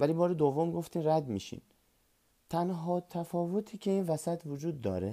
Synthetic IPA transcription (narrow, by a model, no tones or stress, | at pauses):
vælibɒːɾed̪ovːomɡo̞ft̪iːmræd̪mḭːʃḭːn | t̪ʰænɦɒːt̪ʰæfɒːvot̪ʰiːcʰe̞iːnvæsæt̪ʰvod͡ʒuːd̪ːɒ̰ːɾe